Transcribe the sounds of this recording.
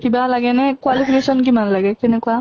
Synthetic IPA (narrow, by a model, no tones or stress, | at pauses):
kibalaɡɛnɛkwalipʰikesɔnkimanlaɡɛkɛnɛkua